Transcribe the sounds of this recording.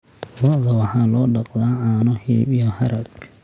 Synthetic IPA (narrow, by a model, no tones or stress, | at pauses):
lɔːɣɐwɑħɑːlɔːɖɑqd̪aːʕɑːnɔhḭːbijɔhɐɾɐɡ